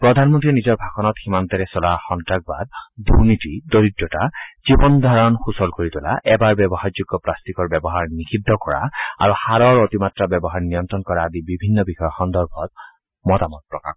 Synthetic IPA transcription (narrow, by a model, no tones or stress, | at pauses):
pɹɔd̪ʱanmɔntɹinizɔɹbʱakʰɔnɔtximant̪ɛɾɛsɔlaxɔntɹak̚ba̰d̪ːuɹnit̪idoɹidːɔtaz̥ibɔnd̪ʱaɹɔnxusɔlkoɹit̪ʊla̰ʔɛbaɹbɛbɔhajzuɡːɔplast̪ikɔɹbɛbɔɦaɹnikʰid̪ʱːɔkɔɹa̰a̰ɹuhaɹɔɹot̪imatɹabɛbɔɦaɹnijɔnt̪ɹɔnkɔɹaːd̪ibibʱinːɔbixɔjɔxɔnd̪ɔɹbʱɔt̚ | mɔtamɔt̚pɹɔka̰x